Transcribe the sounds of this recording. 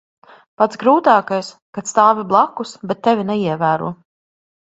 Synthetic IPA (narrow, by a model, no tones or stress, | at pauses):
pat̪sɡɾuːt̪aːkajs | kat̪st̪aːvʲiblˠakːusbɛt̪ːɛvʲinɛiɛvæːɾṵɔ